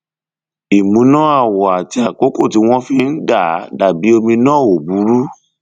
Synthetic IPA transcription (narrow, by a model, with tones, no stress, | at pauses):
i˨mũ˨˦nã˦a˦˨wɔ˨a˨ti˧˦a˨ko˦ko˦˨ti˨˦w̃ɔ̃˦fi˧˦n̩˦da˦˨˦da˨bi˨˦o˧mĩ˧nãː˦˨o˨bu˨˦ɾu˦